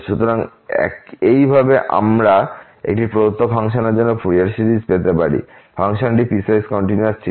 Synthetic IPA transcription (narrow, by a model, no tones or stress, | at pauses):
ʃut̪oɾaŋ | ɛ̰kejbʱabeʔa̰mɾa | ḛk̚ʈipɾod̪ot̪ːofʰaŋʃoned͡ʑanːopʰuɾiaɾsiɾid͡ʑpet̪epaɾḭ | fʰaŋʃonʈipisajskɔɳʈinuaɾt͡ɕʰi